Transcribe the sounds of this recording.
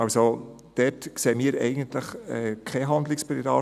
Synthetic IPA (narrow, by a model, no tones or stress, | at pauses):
ɑso | d̥ɛtkseːmiːɾɛ̰ɪɡ̥ən̩tləχɛːkʰɛɦɑnd̪lɪkspəɾiɾɑː